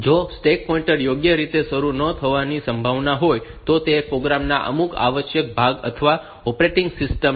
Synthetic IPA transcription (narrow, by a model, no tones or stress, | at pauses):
d͡ʒosʈek̚pɔĩɳʈəɾjoɡjəɾit̪esəɾunət̪ʰəʋanisəmbʱaʋnaɦojt̪ot̪epɾoɡɾamna̰ʔə̰muka̰ʋəʃjək̚bʱaɡə̰t̪ʰəʋa | ɔpɾeʈɪŋɡsɪsʈəm